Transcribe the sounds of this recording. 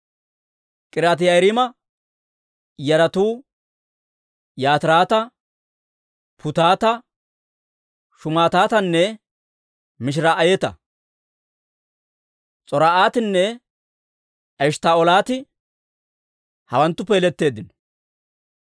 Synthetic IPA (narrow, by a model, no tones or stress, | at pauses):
kʼɪɾaːt̪ɪjɐjɾɪmɐ | jɐɾɐt̪uː | jaːt̪ɪɾaːt̪ɐ | pʰʊt̪aːt̪ɐ | ʃʊmaːt̪aːt̪ɐnːɛ | mɪʃ̬ɪɾaʔɐjɛt̪ɐ̰ | t͡sʼɔɾaʔaːt̪ɪnːɛ | ɐʃt̪aːɔlaːt̪ɪ | hɐwɐnt̪ːʊpeːlɛt̪ːe̞ːd̪ːɪnɔ